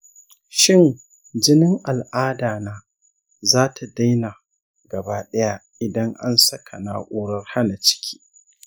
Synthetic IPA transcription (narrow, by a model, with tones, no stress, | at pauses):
ʃɪ˦ŋ | d͡ʒɪ˦nɪ˦ŋʔa˨lʔaː˦daː˨naː˦ | zaː˦tʰa˨da˦jna˨ | ɡɐ˨baː˦ɗɐ˦ja˦ʔɪ˨dɐ˦ŋʔa˦nsɐ˦kʰa˨naː˦ʔʷʼʊː˦ɽɐ˦rha˦na˨t͡ʃɪ̥˦kʲʰi̥ː˦